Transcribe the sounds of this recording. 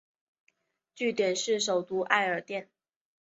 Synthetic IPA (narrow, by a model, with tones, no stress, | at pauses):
t͡ɕy˥˩t̪jɛ˨˩nʂɻ̩˥˩ʂ̬o˨˩ʊt̪u˧˥ʔa̰˥˩ɪə˞˨˩t̪jɛ˥˩n